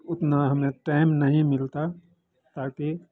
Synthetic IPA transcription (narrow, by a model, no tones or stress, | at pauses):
ʊt̪naɦɐmẽʈaːɪmnɐɦĩmɪlt̪a | t̪aːke